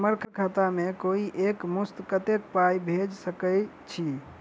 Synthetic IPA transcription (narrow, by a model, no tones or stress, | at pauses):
məɾkʰkʰat̪amekoiʔekmust̪kət̪ek̚pajbʱed͡ʒsəkə | t͡ʃʰi